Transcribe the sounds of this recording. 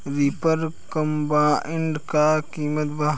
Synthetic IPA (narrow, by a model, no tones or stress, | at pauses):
ɾipəɾkɐmbãːʔɪɳɖkaːkiːmət̪ba